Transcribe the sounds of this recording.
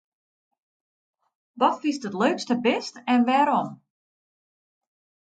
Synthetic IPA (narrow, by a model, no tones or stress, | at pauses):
ʋɔtfistətløːkstəbɪstɛnʋɛɾɔm